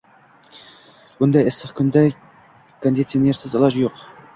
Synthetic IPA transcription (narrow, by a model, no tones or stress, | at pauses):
bʊnd̪ɑɪsɪqkʲʰʏnd̪æ | kʰond̪it̪sijoneɾsɪzɨlˠɑʒjoq